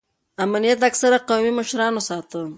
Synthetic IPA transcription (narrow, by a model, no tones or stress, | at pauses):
amnijat̪aksaɾaqawmiməʃɾɑnosɑt̪ə